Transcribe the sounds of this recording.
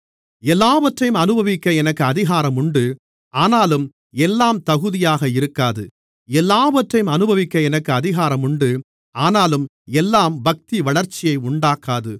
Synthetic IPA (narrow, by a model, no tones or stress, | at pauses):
ɛlːaːʋɐʈrɐjɯmɐnɯbʱɐʋɪkːɐɛnɐkːɯɐðɪɣaːɾɐmʊɳɖɯ | aːnaːlɯm | ɛlːaːmt̪ɐɣɯðɪjaːɣɐɪɾɯkːaːðɯ̰ | ɛlːaːʋɐʈrɐjɯmɐnɯbɐʋɪkːɐɛnɐkːɯɐðɪɣaːɾɐmʊɳɖɯ | aːnaːlɯm | ɛlːaːmbɐk̚t̪iʋɐɭɐɾt͡ʃːɪjɐɪʊɳɖaːkːaːðɯ